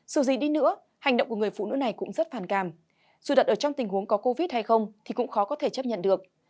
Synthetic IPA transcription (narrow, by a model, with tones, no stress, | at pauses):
zɨ˧˩zi˨˩ɗi˧nɨ̰˧˥ə | ha˨˩jŋ̟ɗə̰˧˨ŋ͡mkŋ˨˩əjfṵ˧˩nɨ̰˧˥na˨˩jkʊ̰˧˥ŋ͡mzə˦˥t̚faː˧˩nkaː˧˩m | zṵ˧˨˩ɗə˨˩ʔəː˧˩t͡ɕɔ˧wŋ͡mt̪ï˨˩ŋ̟hu˨˦əŋkɔ˨˦ko˧vi˦˥t̚ha˧jxə˧wŋ͡mt̪ʰi˨˩kʊ̰˧˥ŋ͡mxɔ˨˦kɔ˨˦t̪ʰe˧˩t͡ɕə˦˥p̚ɲə̰˧˨nɗɨ˨˩ək̚